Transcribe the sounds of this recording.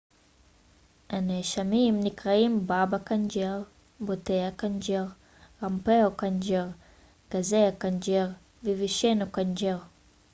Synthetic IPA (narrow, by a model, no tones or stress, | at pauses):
haneʃamimnikʁaimbabakand͡ʒeʁ | botejakand͡ʒeʁ | ʁampeokand͡ʒeʁ | ɡ̥azeakand͡ʒeʁ | veviʃenokand͡ʒeʁ